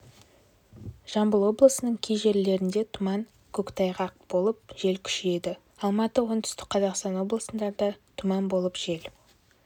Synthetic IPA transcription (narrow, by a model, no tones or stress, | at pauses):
ʒ̥ɑmbəlˠwo̞blˠəsənəɴkʲʰejʒe̞ɾle̞ɾɪnd̪e̞t̪ʰʊmɑŋ | kʲʰɵkt̪ʰɑjʁɑq̚b̥olˠəp̚ʒ̥e̞lkʲʰʏ̥ʃɪe̞d̪ɪ | ɑlˠmɑt̪əwo̞nt̪ʰʏ̥st̪ɪk̚qʰɑzɑqst̪ɑnwo̞blˠəsənd̪ɑɾd̪ɑt̪ʰʊmɑnbo̞lˠəpʒ̥e̞l